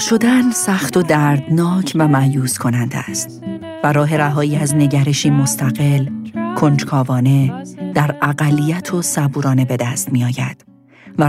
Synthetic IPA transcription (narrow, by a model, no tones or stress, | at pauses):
ʃo̞d̪ænsæxt̪ʰo̞d̪æɾd̪nɒːcʰvæmæjuːskʰo̞nænd̪æ̰st̪ | væɾɒːɦe̞ɾæɦɒːiːæzne̞ɟæɾe̞ʃiːmo̞st̪ʰæɣe̞lkʰo̞nd͡ʒkʰɒːvɒːne̞d̪̥æɾæɣælːijæt̪ʰosæbuːɾɒːne̞be̞d̪æst̪miɒːjæ̰d̪̥ | væ